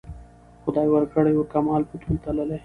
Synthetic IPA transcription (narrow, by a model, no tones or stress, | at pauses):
xʊd̪aːjwɐɾkəɽejoɾkɐmaːlput̪ʰult̪ɐlɐle